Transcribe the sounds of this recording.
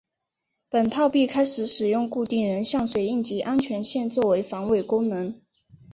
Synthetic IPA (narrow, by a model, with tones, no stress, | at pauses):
pə˨˩nt̪ʰɑ˥˧ʊpi˥˩kʰa˥ɪʂɻ̩˨˧˥ʂɻ̩˨˩jʊ˥˧ŋku˥˧t̪i˥˩ŋɻə˧˥nɕjɑ˥˩ŋswe˨˩ɪi˥˩nt͡ɕi˧˥ʔa˥nt͡ɕʰɥɛ˧˥nɕjɛ˥˧nt͡swɔ˥˩we˧˥ɪfɑ˧˥ŋwe˥˩ɪkʊ˥ŋnɤ˧˥ŋ